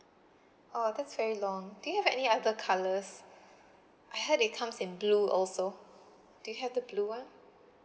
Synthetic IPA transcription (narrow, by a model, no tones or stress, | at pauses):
odɛtsvɛɹilɔ̃ŋdujuhɛvɛniadəkʰaləs | ʔajhɛtɪt̚kʰãmsɪ̃nbluːɔ̰lso | d̥ujuɦɛvdəblua